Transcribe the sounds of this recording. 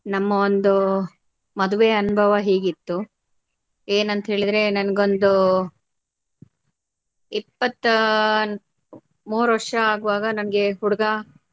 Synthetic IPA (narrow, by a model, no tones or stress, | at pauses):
nɐmːɐond̪u | mɐd̪uʋeɐnubʱɐʋɐɦeːɡit̪ːu | eːnɐnt̪ɦe̞ːɭid̪ɾe̞nɐnɐɡo̞nd̪u | ipːɐt̪ː | muːɾʋɐʂɐaːɡuʋaːɡɐnɐnɐɡe̞ɦuɽɐɡɐ